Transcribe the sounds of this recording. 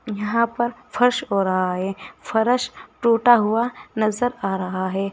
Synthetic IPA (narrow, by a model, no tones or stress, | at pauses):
jɐɦãpɐɾfʰɐɾʃɦoːɾɐɦaɦɛːfʰɐɾəʃʈoːʈaɦʊanɐzəɾaːɾɐɦaɦɛː